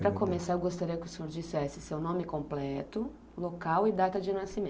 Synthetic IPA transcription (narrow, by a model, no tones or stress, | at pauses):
pɾɐkomesaewɡost̪aɾiɐkɪʊsoɾd͡ʒisɛsɪsewnõmɪkõmplɛt̪ʊ | lokawɪd̪at̪ɐd͡ʒɪnasimẽ